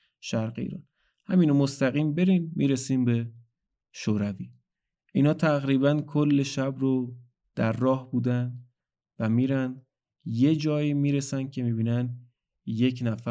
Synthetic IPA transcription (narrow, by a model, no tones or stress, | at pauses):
ʃæɾɢḛḭːɾɒ̰ːn | hæmiːnomost̪æɣiːmbe̞ɾiːmːḭːɾesiːmbe̞ | ʃoɾæviː | ʔiːnɒːt̪ʰæɣɾiːβænkʰolːe̞ʃæbɾo | d̪̥æɾːɒːhbuːd̪ænd̪ | væmiːɾænd̪ | je̞d͡ʒɒːjimiːɾe̞sænd̪̥̚cʰe̞miːbiːnæn | je̞cʰnæfæ